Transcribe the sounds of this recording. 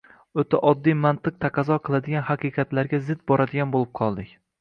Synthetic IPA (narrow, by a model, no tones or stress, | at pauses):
ɵt̪ʰaʔɒd̪ːijmant̪ɨq̚t̪ʰaqɑzɒqʰɨlˠad̪ɪɡʲanhaqʰɨjqɑt̪laɾɡʲazɪd̪̚bɒɾad̪ɪɡʲanbolˠɪp̚qʰɒlˠd̪ɪkʲ